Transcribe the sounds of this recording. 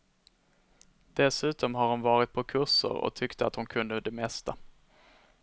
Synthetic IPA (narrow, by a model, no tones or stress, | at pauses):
d̪̥ɛsʉ̟ːt̪ɔmɦaɾhʊnvɑːɾɪt̪̚pʰɔkʰɵʂə̰ɾɔ̰t̪ʰʏkt̪ʰəat̪hʊnkʰɵnd̪əd̪ɛmɛst̪a